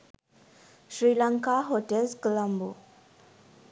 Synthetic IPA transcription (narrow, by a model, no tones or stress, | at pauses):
ɕɾilaŋkaɦoʈelzkəlambu